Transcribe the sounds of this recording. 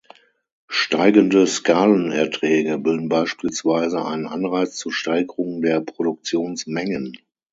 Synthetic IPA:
ʃtaɪɡəndəskaːlənɛɐtʁ̥ɛːɡəbɪldn̩baɪʃpiːlsv̥aɪzəʔa̰ɪnənʔanʁaɪt͡st͡suːɐʃtaɪɡəʁʊŋdeːɐpʁ̥odʊk̚t͡sjoːnsmɛŋən

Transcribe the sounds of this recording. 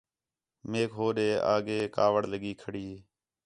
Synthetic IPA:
meːkɦoːɗeːa̰ːɡeːkaːʋəɽləɠiːkʰəɽiː

